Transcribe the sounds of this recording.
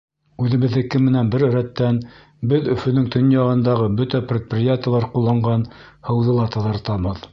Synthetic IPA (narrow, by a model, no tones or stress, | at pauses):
ʉðɘ̆βɘ̆ðːɘkɘmːɘ̆nænbɘɾɵ̆ɾæt̪ːæn | bɘðɵ̆fɵ̆nɵŋt̪ʰɵnjɑʁɤ̆nd̪ɑʁɤbɵt̪æprʲet̪̚prʲɪjat̪ʲɪjəlˠɑɾqulˠːɑɴɢɑn | hɤ̆wðɤ̆lˠɑt̪ɑ̆ðɤ̆ɾt̪ɑβɤð